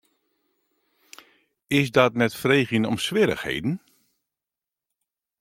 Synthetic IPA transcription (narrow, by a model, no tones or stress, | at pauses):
ɪsdɔtmɛtfreːɣjənɔ̰msʋɪɾə̰xhḛjdn̩